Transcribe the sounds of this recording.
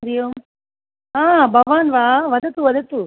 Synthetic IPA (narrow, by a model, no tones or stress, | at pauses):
ɾijoːm | ɦaːbʱɐʋaːnʋaːʋɐd̪ɐt̪uʋɐd̪ɐt̪u